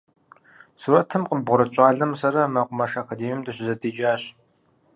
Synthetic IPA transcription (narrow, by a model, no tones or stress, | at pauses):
sɨwɐtʰɨmqəbʁʷʊɾɐt͡ʃʼaːɮɐmsɐɾɐmɐqʷʼʊmɐʂaːkʰɐdeːmjumdɨɕɪzɐdiːd͡ʒaːɕ